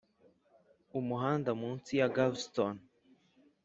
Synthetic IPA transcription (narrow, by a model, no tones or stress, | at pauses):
umuɦaːndamuːnsijaɡabston